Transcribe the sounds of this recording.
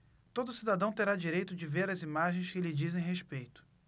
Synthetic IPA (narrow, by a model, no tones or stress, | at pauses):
t̪od̪ʊsid̪ad̪ɐ̃w̃t̪eɾad͡ʒiɾejt̪ʊd͡ʒɪveɾɐzimaʒẽj̃skɪlɪd͡ʒizẽj̃ɦespejt̪ʊ̥